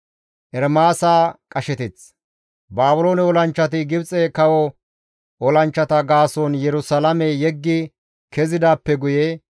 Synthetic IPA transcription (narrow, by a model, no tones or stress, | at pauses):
ʔɛɾmaːsaːkʼɐʃɛt̪ɪt͡s | baːbʊloːnɛɔlɐnt͡ʃːɐt̪ɪɡɪbt͡sʼɛːkɐwɔ | ɔlɐnt͡ʃːɐt̪ɐɡaːsoːnjɛɾʊsɐlɐmɛjɛɡːɪ | kɛzɪd̪aːpːɛɡʊje